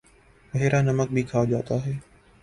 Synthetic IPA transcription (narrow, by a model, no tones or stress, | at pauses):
ʋəɦeːɾaːnəmək̚bʱiːkʰaːd͡ʒaːt̪aːɦɛː